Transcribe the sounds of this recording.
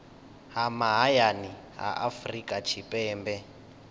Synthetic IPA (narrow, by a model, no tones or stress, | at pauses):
ɦamaɦajani | ɦa̰ʔafrikʼat͡ʃʰipʼɛːmbɛ